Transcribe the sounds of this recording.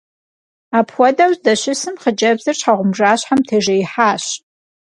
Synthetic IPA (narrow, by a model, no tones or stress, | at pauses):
aːpʰxʷɔdawzdɐɕɪsɨmχəd͡ʒʼɐbzɐrt͡ʃʰħaʁʷʊmʐaːɕħamtʰeːʒejħaːɕ